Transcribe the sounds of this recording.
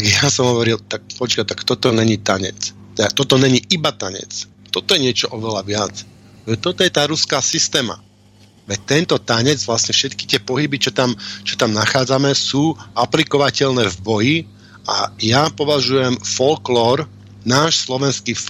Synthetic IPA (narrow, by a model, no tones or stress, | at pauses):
aɡjasɔmɦɔʋɔɾilt̪ak̚pɔt͡ʃkat̪akt̪ɔt̪ɔɲɛɲit̪aɲɛ̰t͡s | t̪ɛd̪at̪ɔt̪ɔɲɛɲiʔibat̪aɲɛ̰t͡s | t̪ɔt̪ɔjɛɲɪɛt͡ʃɔʔɔʋɛlaʋɪat͡s | ɛt̪ɔt̪ɔjɛt̪aːɾuskaːsist̪ɛːma̰ | ʋɛt̪ɛnt̪ɔt̪aɲɛd͡zʋlasɲɛfʃɛt̪ki̥t̪ɪɛpɔɦibit͡ʃɔt̪amt͡ʃɔt̪amnaxaːd͡zamɛsuːʔaplikɔʋacɛʎnɛːvbɔji | a̰japɔʋaʒujɛmfɔlklɔːɾ | naːʃslɔʋɛnskiːf